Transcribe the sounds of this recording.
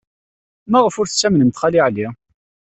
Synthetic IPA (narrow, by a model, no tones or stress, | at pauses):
mæʁəfʊɾθt͡sːæmnənt̪χɑliʕli